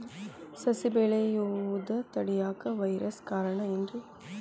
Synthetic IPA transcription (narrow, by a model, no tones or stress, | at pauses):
sɐsɪbeːɭejud̪ɐt̪ɐɽɪjaːkɐʋɐɪɾɐskaːɾɐɳɐɛndrɯ